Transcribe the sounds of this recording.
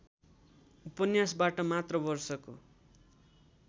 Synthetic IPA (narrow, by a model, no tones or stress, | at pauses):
upʌnjasbaʈʌmat̪rʌbʌrsʌko̰